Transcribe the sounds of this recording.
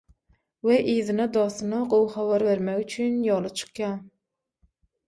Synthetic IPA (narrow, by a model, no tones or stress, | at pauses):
weʔiːðinɑd̪ɑːθɯnɑɢowχɑβɑɾβeɾmekyt͡ʃʰynjoːlˠɑt͡ʃʰɯ̥qjɑː